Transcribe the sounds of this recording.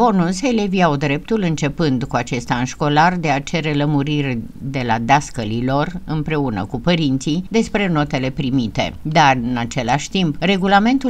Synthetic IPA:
o̞nunseleviawd̪ɾe̞p̚t̪ulɨnt͡ʃe̞pɨnd̪kuat͡ʃe̞st̪aɨnʃko̞lard̪e̞at͡ʃe̞ɾe̞ləmuɾirʲd̪e̞lad̪askəlilo̞rɨmpɾe̞unə̰kupəɾint̪sid̪e̞spɾe̞no̞t̪e̞le̞pɾimit̪e̞̰d̪arɨnat͡ʃe̞laʃʲt̪impre̞ɡulame̞nt̪u

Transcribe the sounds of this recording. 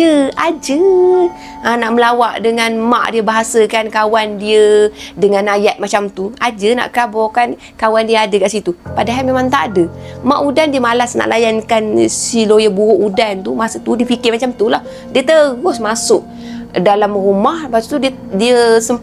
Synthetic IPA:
əad͡ʒə | ənaʔməlawaʔdəŋanma̰ʔdiəbaɦasəkankawandiədəŋanajat̪̚mat͡ʃamt̪uad͡ʒəna̰ʔkəɾabɔkan | kawandiəadəkaʔsit̪upadaɦalmemãŋt̪aʔadəmaʔudandiəmalasna̰ʔlajankansilojabuɣʊʔudant̪umasət̪udiəfikɪrmat͡ʃamt̪ulah | diət̪əɣʊsmasʊʔ̚ | dalamrumahbat̪ut̪ui | diəsəm

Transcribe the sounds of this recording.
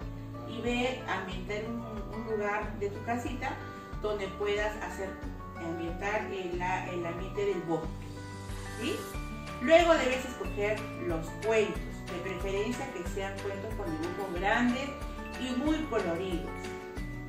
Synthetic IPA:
iβeɾambjent̪aɾu | unluɣaɾðe̞t̪ukasit̪a | ð̥o̞nd̪e̞pwe̞ðasa̰seɾ | awmbje̞nt̪aɾelaʔelambjent̪eðe̞lβoske̥ | si | lwe̞ɣo̞ðe̞βe̞se̞sko̞xeɾ | lo̞skwe̞nt̪osd̪epɾe̞fe̞ɾensjakeseaŋkwe̞nt̪oskoneɡɾupozɡɾand̪es | imujko̞lo̞ɾiðo̰s

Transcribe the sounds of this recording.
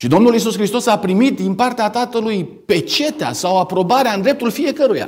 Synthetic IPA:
ʃid̪o̞mnulis̬uskɾist̪osapɾimit̪̚d̪inpart̪eat̪at̪əlujpe̞t͡ʃe̞t̪ea̰sawapɾo̞baɾeaɨnd̪ɾe̞p̚t̪ulfije̞kəɾuja̰

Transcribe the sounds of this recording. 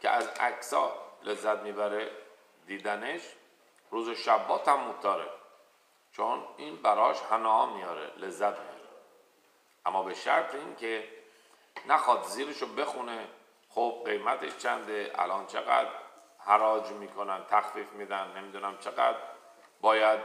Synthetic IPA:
cʰḛʔæzækʰsɒːlʔe̞zːæt̪̚miːbæɾe | d̪iːd̪æneʃ | ɾuːzoʃæbːɒːt̪ʰæmːot̪ʰːɒːɾḛ | t͡ʃʰoniːnbæɾɒːʃhænɒːmijɒːɾḛle̞zːæt̪ʰmiɾe | ʔæmːɒːbeʃæ̰ɾt̪ʰeiːŋcʰe | næxɒːd̪ziːɾeʃobe̞xune | xob̥̚ɢe̞jmæt̪ʰeʃt͡ʃʰænd̪eʔæ̰lʔɒːnt͡ʃʰe̞̰ɣæ̰d̪ɾ | hæɾɒːd͡ʒmiːkʰo̞nænt̪ʰæxfiːfmid̪ænnːe̞miːd̪unæmt͡ʃʰeɣæ̰d̪ | bɒːjæd̪̚

